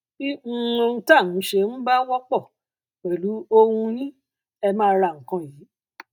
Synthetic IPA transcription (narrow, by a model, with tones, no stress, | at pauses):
i˦˧e˧n̩˧ta˦˨nũ˨˦ʃe˧n̩˦ba˦wɔ˦k͡pɔ˦˨ | k͡pɛ˨lu˨˦o˧hũ˧jĩ˦ | ɛ˧mãː˦˧ɾa˧˨ŋ̩˨kã˧˦jiː˨˦